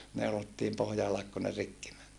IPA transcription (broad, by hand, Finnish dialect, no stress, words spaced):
neulotːiːm pohjɑ ɑlek ku ne rikːi mæn